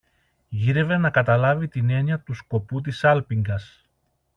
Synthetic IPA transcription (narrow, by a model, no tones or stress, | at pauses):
ʝiɾe̞ve̞nɐkɐt̪ɐlɐvit̪ine̞niɐt̪usko̞put̪̬isɐlpiŋɡɐs